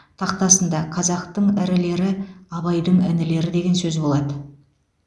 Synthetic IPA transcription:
t̪ʰɑq̚t̪ɑsənd̪ɑqʰɑzɑqt̪əɴɪɾɪle̞ɾɪɑβɑjd̪əɴɪnɪle̞ɾɪd̪e̞ɡʲe̞nsɵzbo̞lˠɑd̪ə

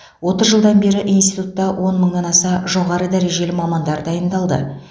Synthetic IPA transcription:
wo̞t̪əzʒəlˠd̪ɑnbe̞ɾɪʔijnsit̪ut̪ːɑwʔo̞nməɴɑnɑsɑʒo̞ʁɑɾəd̪æɾe̞ʒe̞lɪmɑmɑnd̪ɑɾd̪ɑjənd̪ɑlˠd̪ə̰

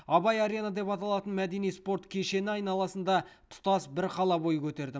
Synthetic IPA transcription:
ɑbɑjaɾʲenad̪e̞pɑt̪ɑlˠɑt̪ənmæd̪e̞nijspo̞rt̪kʲʰe̞ʃe̞nɪɑjnɑlˠɑsənd̪ɑt̪ʰʊ̥t̪ɑsbɪɾqʰɑlˠɑbo̞jəkʲʰɵt̪e̞ɾd̪ɪ

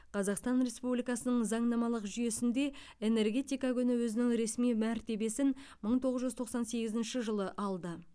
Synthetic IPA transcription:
qʰɑzɑqst̪ɑnɾe̞spublijkɑsənəɴzɑɴnɑmɑlˠəqʒʏje̞sɪnd̪e̞ | e̞ne̞ɾɡʲe̞t̪ijkɑkʲʰʏnɪwɵzɪnɪŋɾe̞smijmæɾt̪e̞be̞sɪnməɴt̪ʰo̞ʁəzʒʏzt̪ʰo̞qsɑnse̞ɡʲɪzɪnʃɪʒəlˠəʔɑlˠd̪ə

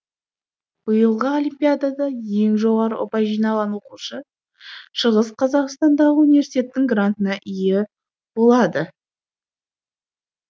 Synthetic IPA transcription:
b̥əjəlˠʁəolʲimpʲijad̪ad̪ɑje̞ŋʒo̞ʁɑɾəo̰pɑjʒijnɑlˠʁɑnwo̞quʃə | ʃəʁəsqʰɑzɑqst̪ɑnd̪ɑʁəunivʲe̞ɾsi̥t̪ʲe̞t̪ːɪŋɡrant̪ənɑʔijɪ | bo̞lˠɑd̪ə

